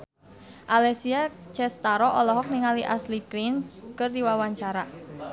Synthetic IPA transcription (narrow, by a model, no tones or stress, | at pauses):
ʔalɛsiat͡ʃɛst̪aɾɔʔɔlɔɦɔk̚niŋaliʔaslikɾinkərd̪iwawaɲt͡ʃaɾa